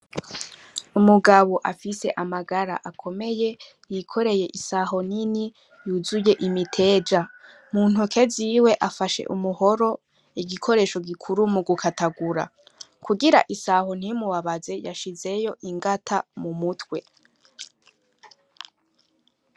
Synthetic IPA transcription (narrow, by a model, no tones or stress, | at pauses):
umuɡaβo̞ʔafise̞ʔamaɡaɾa̰ʔakʰo̞me̞je̞ | jikʰo̞ɾe̞je̞ʔisaːɦo̞n̥ini | juzuje̞ʔimitʰe̞ːd͡ʒa | muːn̥ukʰe̞ziwe̞ʔafaʃe̞̰ʔumuho̞ɾo̞ | iɡikʰo̞ɾe̞ːʃo̞ɡikʰuɾumuɡukʰatʰaɡuɾa̰ | kʰuɡiɾaʔisaːɦo̞n̥imuwaβaze̞jaʃize̞jo̞ʔiŋɡatʰamumutwe̞